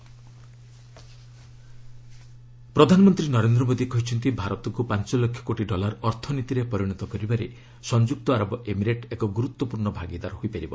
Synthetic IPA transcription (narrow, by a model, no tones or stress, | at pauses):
pɾɔd̪ʱanɔmɔnt̪ɾinɔɾend̪ɾɔmod̪ikɔɦit͡ʃʰɔnt̪ibʱaɾɔt̪ɔŋkupant͡ʃɔlɔkʰjɔ̥koʈiɖɔlaɾɔɾt̪ʰɔnit̪iɾepɔɾiɽ̃ɔt̪ɔkɔɾibaɾe | sɔnd͡ʒuk̚t̪ɔaɾɔbɔʔemiɾeʈekɔɡuɾut̪wɔpuɾɳɔbʱaɡid̪aɾɔɦoipaɾibɔ